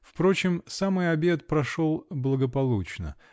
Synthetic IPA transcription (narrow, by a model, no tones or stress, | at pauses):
fpɾo̞t͡ɕɪmsamɨjɐbʲe̞t̪̚pɾɐʂo̞lˠblˠəɡəpɐlˠut͡ɕnə̰